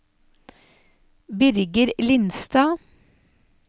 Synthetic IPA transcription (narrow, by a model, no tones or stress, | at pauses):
bʏɾɡəɾlɪnst̪ɑː